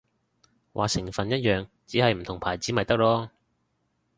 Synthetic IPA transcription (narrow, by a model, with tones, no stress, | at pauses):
wʔa̰ː˨˧sɪ˨˩ŋfɐ˨njɐ˥t̚jœː˨ŋt͡siː˨˥hɐ˨jm̩˨˩t̪ʰʊ˨˩ŋpʰaː˨˩jt͡siː˨˥mɐ˨jt̪ɐ˥k̚lɔː˥